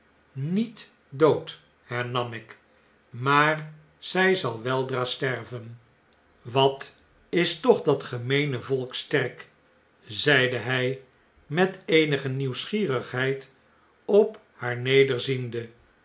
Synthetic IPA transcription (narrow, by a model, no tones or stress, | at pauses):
nit | dowt | hɛɹnɑmɪk | maːr | z̥ɛjzɑlˠʋɛlˠdraːstɛrvən | ʋɑt | ɪstɔχdɑtχəmejnəvɔlˠkstɛrk | zɛjdəɦɛj | mɛtejnəχəniwsχiːrəχɦɛjt | ɔp | haːɹnejdəɹzində